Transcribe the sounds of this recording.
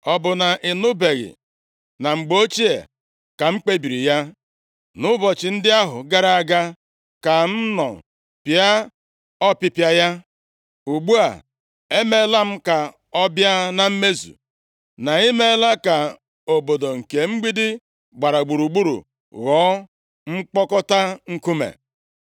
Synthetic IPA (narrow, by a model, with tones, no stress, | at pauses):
ɔ˨bʊ˨na˨ʔɪ˨nʊ˦be˨ɣɪ̰˨ | na˨ŋ͡m̩˨ɡ͡bo˦t͡ʃi˦ḛ˨ | ka˨ŋ͡m̩˦k͡pe˦bi˨ɾi˨ja˦ | nʊ˦bɔ˨t͡ʃɪ˨n̩˦dɪ˦a˦ɦʊ˨ɡa˦ɾa˨a˨ɡa˦ | ka˨n̩˦nɔ̰˨ | pja˦ | ɔ˦pɪ˦pja˦ja˦ | u˨ɡ͡bu˦a̰˨ | e˦me˦la˦m̩˦ka˨ | ɔ˦bja˦na˨m̩˦me˦zṵ˨ | na˨i˦me˦la˦ka˨ | o˨bo˨do˨ŋ̩˨ke˨ŋ͡m̩˦ɡ͡bi˦dɪ˦ | ɡ͡ba˨ɾa˨ɡ͡bu˨ɾu˨ɡ͡bu˦ɾṵ˨ | ɣɔː˨˦ | ŋ͡m̩˦k͡pɔ˦kɔ˦ta˦ŋ̩˦ku˦mḛ˨